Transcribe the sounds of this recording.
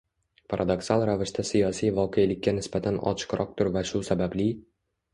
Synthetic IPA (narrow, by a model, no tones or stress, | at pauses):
pʰaɾʔad̪o̞ksalˠɾavɪʃt̪ʰasijɒsijvɒqʰejlɪkʲːanɪsbat̪ʰanɒ̰t͡ʃʰɨ̥qɾɒq̚t̪ʰʊɾvaʃʊsabablɪ